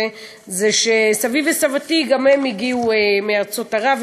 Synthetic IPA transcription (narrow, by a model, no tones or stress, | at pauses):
e | zeʃesavivesavatiɡamhemiɡiuemeaʁt͡so̞taʁav